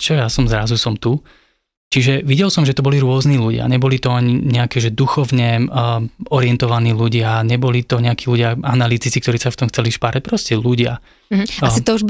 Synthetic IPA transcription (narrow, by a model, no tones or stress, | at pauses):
t͡ʃɔjasɔmzɾazusɔmt̪u | t͡ʃiʒɛʋiɟɛlsɔmʒɛt̪ɔbɔliɾʊɔzniːluɟɪa̰ɲɛbɔlit̪ɔaɲiɲɛakɛːʒɛd̪uxɔʋɲɛ | ɔɾɪɛnt̪ɔʋaniːluɟɪaɲɛbɔlit̪ɔɲɛakiːluɟɪaanalit̪it͡sikt̪ɔɾiːsaft̪ɔmxt͡sɛliʃpaɾac̚pɾɔscɛluɟɪa̰ | aasit̪ɔuʒ